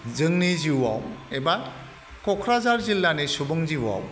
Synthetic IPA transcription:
zɯŋniziwaweba | kɔkʰɾazaɾzilːanisubɯŋziwa̰w

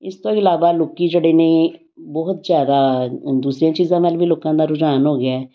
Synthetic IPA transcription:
ɪst̪õːɪlaːʋaːloːkiːd͡ʒeːɽeːnəĩː | bɔːt̪zjaːd̪aːd̪uːsɾejãːt͡ʃiːzãːmɛlʋiːloːkãːd̪aːɾʊd͡ʒaːnɦoːɡɪaːɛː

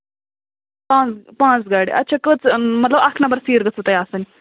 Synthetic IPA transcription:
pãːt͡spãːt͡sɡaːɽiɐ̰tːt͡ʃʰaːkət͡smɐt̪ləbɐkʰnɐmbəɾsiːɾɡət͡sʰut̪ɐjaːsɐn

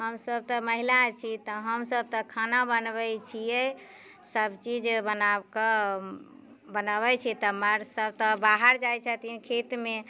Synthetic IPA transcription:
ɦəmsəb̚t̪ɔ̃məɦilat͡ʃʰit̪ɔɦəmsəb̚t̪ɔkʰanabənbɛt͡ʃʰijɛ | səbt͡ʃid͡ʒbənakə | bənəβɛt͡ʃʰit̪ɔməɾsəb̚t̪ɔbaɦəɾd͡ʒajt͡ʃʰət̪ikʰet̪me

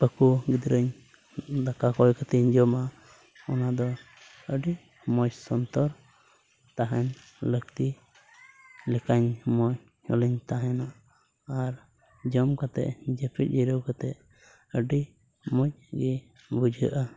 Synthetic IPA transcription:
pəkuɡid̪ɾəɲ | d̪akakɔjkat̪iɲd͡ʒɔma | ɔnad̪ɔ | əɖi | mɔt͡ʃsɔnt̪ɔɾ | t̪aɦɛn | lək̚t̪i | lɛkaɲmɔɲ | ɔ̰liɲt̪aɦɛnaʔː | ɾ | d͡ʒɔmkat̪ɛ̰ʔd͡ʒɛpʰic̚ˀiɾəwkat̪ɛʔ | əɖi | mɔc̚ɡɛ | bud͡ʒʱə̰ʔa

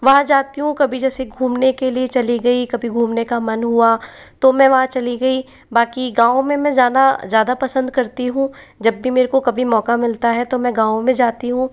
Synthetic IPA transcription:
ʋɐɦãd͡ʒaːt̪iɦũkɐbʱid͡ʒɛːseɡʱũːmnekeliet͡ʃɐliɡɐikɐbʱiɡʱuːmnekamɐnɦua | t̪omɛ̃ʋɐɦãt͡ʃɐliɡɐi | baːkiɡãːõmẽmɛ̃zaːnazjaːd̪apɐsə̃nd̪kɐɾt̪iɦũː | d͡ʒɐbːimeːɾekokɐbʱimɔːkamɪlt̪aɦɛt̪omɛ̃ɡãːõmẽd͡ʒaːt̪iɦũː

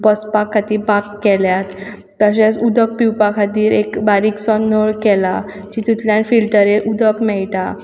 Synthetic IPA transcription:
bəspakʰːat̪iːbakːɛljat̪ː | əɕesud̪ək̚piwpakʰat̪iːɾekbaɾiːksɔnːəɭkɛla | d͡ʑiːt̪ut̪ljanfilʈəɾeʔud̪əkmɛɭʈa

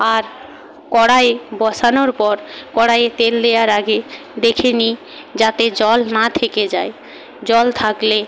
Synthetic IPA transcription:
aɾ | kɔɽaebɔʃanoɾpɔɾkɔɽajet̪elːejaɾaɡe | d̪ekʰeni | d͡ʑat̪ed͡ʑɔlnat̪ʰeked͡ʑae | d͡ʑɔlt̪ʰakle

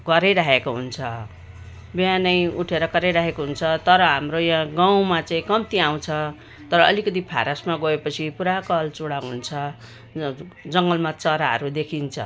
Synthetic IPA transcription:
ɡʌɾeɾaɦekoɦunt͡sʰʌ | bianʌjuʈʰeɾʌkʌɾejɾaɦekoɦunt͡sʰʌt̪ʌɾʌɦamrojãɡaw̃mat͡saĩkʌmt̪iaw̃t͡sʰʌ | t̪ʌɾʌʌlikʌt̪̬ipʰa̰ɾasmaɡoepʌt͡sʰipuɾakʌlt͡suɽaɦunt͡sʰʌ | d͡zʌŋɡʌlmat͡sʌɾaɦʌ̰ɾud̪ekʰint͡sʰʌ̰

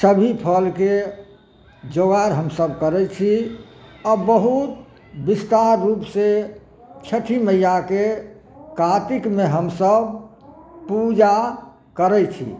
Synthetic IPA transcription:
səbʱipʰəlke | d͡ʒoɣaɾɦəmsəbkəɾɛt͡ʃʰi | ɔbəɦut̪ | bist̪aɾːupse | t͡ʃʰəʈʰiməjake | kat̪ikmeɦəmsəbʱ | pud͡ʒa | kəɾɛt͡ʃʰḭ

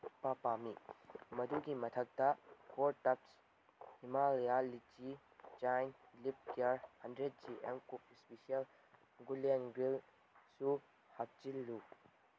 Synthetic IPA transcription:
papamimɐduɡimɐtʰɐk̚tɐkʰoɾtɐp̚s | himaljalit͡ʃi | t͡ʃajnlip̚iaɾhɐndɾet̚d͡ʒiʔemkup̚ispesiɐl | ɡulenɡɾil | su | hak̚t͡ʃilːu

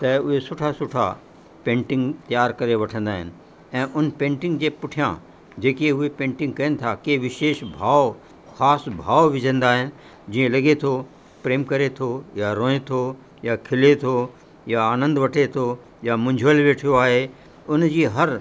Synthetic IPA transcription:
t̪ɐʊɦesʊʈʰasʊʈʰa̰ | pẽːɳʈɪ̃ŋɡt̪jaːɾkɐɾeʋɐʈʰə̃nd̪aːɦɪnɪ̆ | ɛ̃ːʔʊnpẽːɳʈɪ̃ŋɡd͡ʑeːpʊʈʰijã̰ | d͡ʑeːkiʊɦepẽːɳʈɪ̃ŋɡ̚kɐənɪ̆t̪ʰakeːʋɪʃeːʃbʱaːʋ | xaːsbʱaːʋʋɪd͡ʑʱə̃nd̪aːɦɪnɪ̆ | d͡ʑiːə̃lɐɡet̪ʰo | pɾeːmkɐɾet̪ʰojaɾõːet̪ʰo | jakʰɪlet̪ʰo | jaaːnə̃nd̪ʋɐʈʰet̪ʰo | jamʊ̃ɲd͡ʑʱʋəlʋeːʈʰijoaːɦe | ʊnd͡ʑiːɦɐɾ

